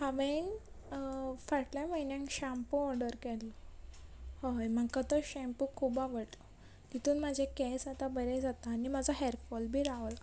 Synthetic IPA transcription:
haʋen | faʈlaməjnjãŋkɕãmpuɔɾɖəɾkɛllɔ | hojmaɡkat̪əɕɛ̃mpukʰːubaʋəɽlɔ | t̪it̪uːnm̤ad͡ʑʱekɛsat̪abəɾed͡zat̪aːnimad͡zaɦɛɾfɔlbʱiːɾaʋəl

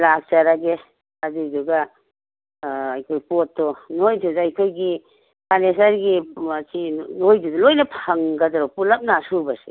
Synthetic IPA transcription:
lak̚t͡ʃaɾaɡe | aduduɡa | jkʰojpɔtːɔnojdudaajkʰojɡi | pʰanesaɾɡiasʰinojdudɔlojnapʰaŋɡadaɾɔpulap̚nasuɾbase̥̰

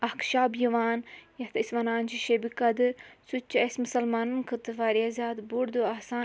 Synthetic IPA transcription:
ɐhkʃaːbjiʋaːnjɐht̪ʰɐisʋɐnaːnt͡ʃʰiʃebikɐd̪ɨsut͡ʃːiesmusɐlmaːnɨnkʰɨt̪ɨfaːɾiazʲaːd̪buɾd̪uɐːsaː

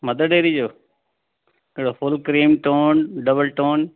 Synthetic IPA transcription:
mɐd̪əɖeːɾid͡ʑoː | ɪɦɽofʊlkɾiːmʈoːnɖəbəlʈoːn

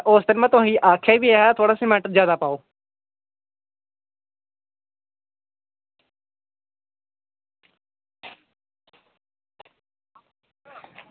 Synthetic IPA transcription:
ʔʊsd̪ɪnmãːt̪ʊĩːʔaːkʰeːbiːɛːt̪ʰoːɽaːsimɛ̃ɳʈəɾzjaːd̪aːpaːoː

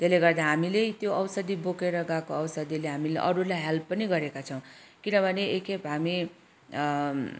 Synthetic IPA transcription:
t̪eleɡʌrd̪aɦamilet̪joʔʌwsʌd̪ibokeɾʌɡakoʌwsʌd̪ileɦamileʔʌɾulajɦelpːʌniɡʌɾekat͡sʰʌ̃w̃ | kinʌbʱʌneekepɦami

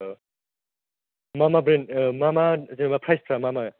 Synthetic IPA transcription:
mamabɾenmamazenabapʰɾajspʰɾamama

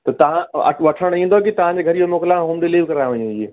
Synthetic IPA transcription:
t̪ɐt̪ɐʋ̤ãɐ̰ʋɐʈʰəɽ̃ĩːnd̪okit̪ɐʋ̤ãɲd͡ʑeːɡʱɐɾijomoːklãɦoːmɖɪliːʋkɐɾãʋɐɲũie

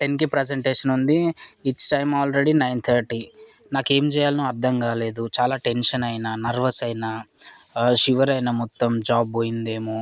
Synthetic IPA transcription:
ʈenk̬ipɾed͡ʒeɳʈeːʂɐnund̪iːt͡ʃʈɐjmaːlɾe̞ɽinɐjnt̪ʰɐɾʈi | naːke̞ːmd͡ʒɛːjaːlɐnuɐɾd̪ʱɐmɡaːle̞ːd̪ut͡ʃaːlaːʈe̞nʂɐnɐjnanɐɾʋɐsɐjna | ʃiʋɐɾɐjnɐmɔt̪ːɐmd͡ʒaːbːoːjind̪e̞ːmu

